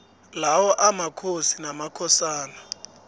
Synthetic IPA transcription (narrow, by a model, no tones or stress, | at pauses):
lawɔʔamakʰosinamakʰɔsaːna